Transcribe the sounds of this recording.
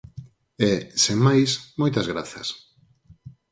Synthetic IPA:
ɛsemajsmojt̪ɐzɣɾaθɐ̰s

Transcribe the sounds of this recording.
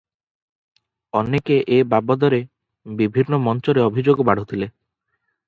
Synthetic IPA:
ɔnekeʔebabɔd̪ɔɾe | bibʱinːɔmɔnt͡ʃɔɾeɔbʱid͡ʒoɡɔbaɽ̤ʱot̪ʰile

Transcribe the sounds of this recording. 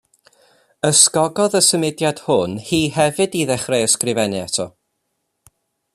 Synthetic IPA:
əskɔɡɔðəsəmɪdjad̥hʊnhiːhɛvɨdiðɛχrejəskrɪvɛnɨatʰɔ̰

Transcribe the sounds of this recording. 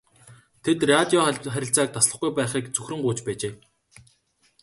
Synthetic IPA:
t̪ʰet̪rat̪ʲiɔχæɾʲɪ̆ɬt͡saːk̚t̪asɮə̆χɡujpæːχiːkt͡sɵxrɵ̆ŋɢuːt͡ɕpæːt͡ɕeː

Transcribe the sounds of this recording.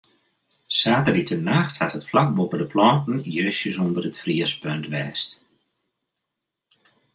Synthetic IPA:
saːtəritʰənaxthatətflak̚bopədəplɔːntn̩jøːsjəsondərətfriəspøntʋɛːst

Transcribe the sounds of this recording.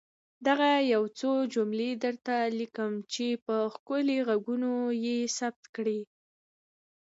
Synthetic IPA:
d̪aɣajawt͡sod͡ʒumled̪əɾt̪alikəmt͡ʃepəxkʊleɣaɡunojesab̚t̪kɽi

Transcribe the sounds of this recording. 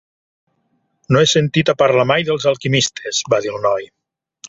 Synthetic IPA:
noesent̪it̪apaɾlamajðelˠzalˠkimist̪ʰezbaðilˠnɔj

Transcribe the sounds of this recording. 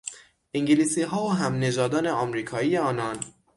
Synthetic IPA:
ʔiŋɟiliːsiːɦɒːoɦæmne̞d͡ʒɒːd̪ɒːne̞ɒmɾiːkʰɒːiːje̞ɒːnɒːn

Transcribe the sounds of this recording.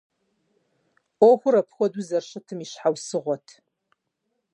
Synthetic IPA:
oxʷʊɾɐpʰxʷɔduzɐrʃɐtʰɨmiʃħawsɨʁʷɔtʰ

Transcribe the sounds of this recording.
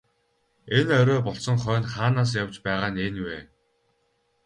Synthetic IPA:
enœɾʲɔːpɔɬsɞ̆ŋχœːnχaːnaːs̬jawt͡ɕpæːʁaːnenweː

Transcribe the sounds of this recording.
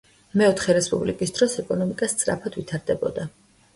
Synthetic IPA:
mɛɔt̪ʰχɛɾɛspʼublikʼisd̪ɾɔsɛkʼɔnɔmikʼast̪sʼɾa̰pʰad̪vit̪ʰaɾd̪ɛbɔ̰d̪a

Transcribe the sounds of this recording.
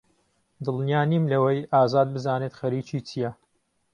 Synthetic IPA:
d̪ɨlˠnjaːniːmlɐwɐjʔaːzaːd̪̚bɨzaːnet̪xɐɾiːt͡ʃiːt͡ʃʰijɐ

